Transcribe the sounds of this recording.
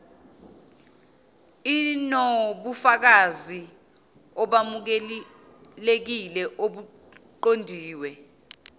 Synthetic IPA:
inoɓufak̬azi | ɔɓamuk̬ɛ | lek̬ilɛʔoɓu | ǃondʱiːwɛ

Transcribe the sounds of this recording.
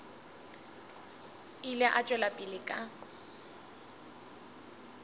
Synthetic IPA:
ilɪʔat͡ʃʼwɛlapʼɪlɪkʼa

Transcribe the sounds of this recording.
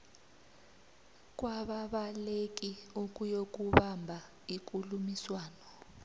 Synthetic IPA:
k̬ʼwaɓaɓalek̬ʼiuk̬ʼujok̬ʼuɓambʱa | ik̬ʼulumiswaːnɔ

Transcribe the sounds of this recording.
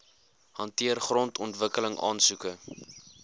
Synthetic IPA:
hɐntiərχrɔntɔntvəkələŋɑ̰ːnsukə

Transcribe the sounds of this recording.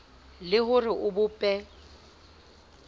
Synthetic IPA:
lɪhʊrɪʔʊbʊpʼɛ

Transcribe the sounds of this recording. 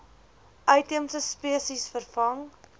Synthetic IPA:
ʔɐjtəmsəspiəsisfərfɐŋ

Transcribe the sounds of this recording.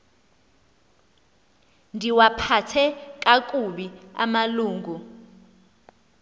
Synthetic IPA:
ndʱiwapʰatʰɛkʼak̬ʼuɓia̰maluːŋɡʱu

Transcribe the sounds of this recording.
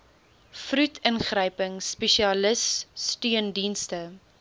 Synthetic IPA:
frʉtʰənχrəjpəŋspɛʃiɐləsːtyəndinstə

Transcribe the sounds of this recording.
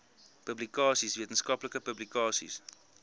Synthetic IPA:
pəblikɑːsisviətənskɐpləkəpəblikɑːsḭs

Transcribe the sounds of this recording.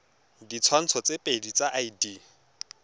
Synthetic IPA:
dit͡sʰwan̩t͡sʰɔt͡sepʼedit͡saʔaidi

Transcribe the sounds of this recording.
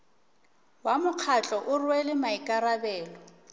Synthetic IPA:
wamʊq͡χʰat͡ɬʼɔʔʊrwɛlɪmaikʼarabɛːlɔ

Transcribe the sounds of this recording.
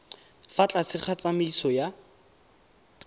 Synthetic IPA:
fat͡ɬʼasɪχʰat͡sʼamiisɔja

